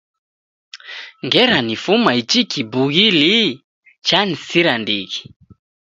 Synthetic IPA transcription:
ŋɡɛɾanifumait͡ʃikʰibuɣili | t͡ʃanisiɾandiki̥

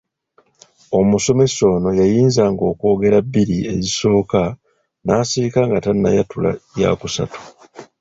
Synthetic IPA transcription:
o̞muso̞me̞sːo̞ːno̞jajiːnzaːŋɡo̞ːko̞ːɡe̞ɾabːiɾie̞̰ziso̞ːka | naːsiɾikaŋɡatanːa̰jatula̰ja̰ːkusa̰tu̥

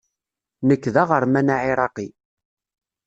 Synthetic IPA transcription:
nəkːðaʁəɾˤmænaʕiɾˤɑqi

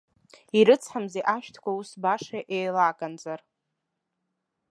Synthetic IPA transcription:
iɾɨt͡sʰħamzeʔaʃtʰkʷausbaʂaʔejlakʼand͡zʼar

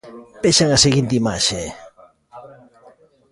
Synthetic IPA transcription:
peʃaŋaseɣint̪imaʃe

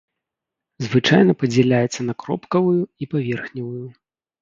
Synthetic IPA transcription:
zvɨt͡ʂa̰jnɐpɐd͡zʲɛlʲajɛt̪sɐnɐkɾɔ̰pkɐvujuipavʲɛrxnʲɐvuju

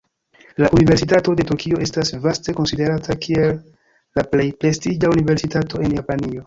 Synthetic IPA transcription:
laʔunive̞ɾsitato̞de̞tukʰio̞ʔe̞stasvaste̞ko̞nside̞ɾatakʰie̞lː | aple̞jpɾe̞stid͡ʒaunive̞ɾsitatʰo̞e̞njapanio̞

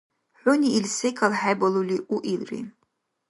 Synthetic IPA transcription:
ħʷʊniːlsejkʰalħabaluliʔuʔilrḭ

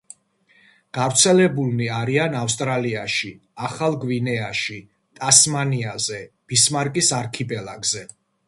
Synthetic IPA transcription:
ɡ̥avɾt̪sʰɛlɛbulˠniaɾianafst̪ʼɾaliaʃi | aχalˠɡvinɛaʃi | t̪ʼasmaniazɛb̥ismaɾkʼisaɾkʰipʼɛlˠaɡzɛ

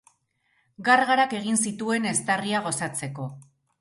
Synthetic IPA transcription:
ɡarɣaɾake̞ɣinsit̪ue̞ne̞st̪ariaɣ̞o̞sat͡se̞ko̞

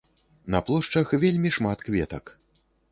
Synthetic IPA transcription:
nɐplˠɔʂt͡ʂɐxvʲelʲmʲiʂmat̪kvʲɛt̪ɐk

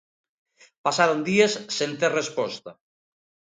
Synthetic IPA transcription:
pasaɾond̪iesːent̪erespɔst̪ɐ

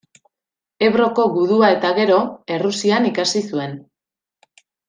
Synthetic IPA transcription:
e̞βɾo̞ko̞ɣuðuae̞t̪aɣe̞ɾo̞e̞rusianikasisue̞n

